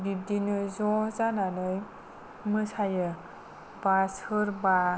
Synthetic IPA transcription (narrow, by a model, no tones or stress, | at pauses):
didinɯzɔzananɯj | mɯsajɯ | basɯɾba